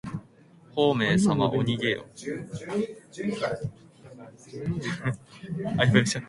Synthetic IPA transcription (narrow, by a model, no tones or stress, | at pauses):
hoːme̞ːsama̰ʔoɲ̟iɡeo̰ | aibeɕa